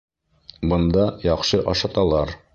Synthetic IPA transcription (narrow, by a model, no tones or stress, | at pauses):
bɤ̆nd̪ɑjɑqʃɤʔɑʃɑt̪ɑlˠɑɾ